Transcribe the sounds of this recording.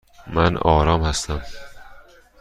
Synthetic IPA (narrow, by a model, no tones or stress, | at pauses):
mænɒːɾɒːmhæst̪æm